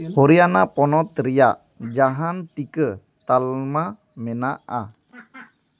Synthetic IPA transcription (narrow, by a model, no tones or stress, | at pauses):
hɔɾianapɔnɔt̪əɾijaʔ | d͡ʒaɦant̪ikə | t̪alma | mɛnaʔa̰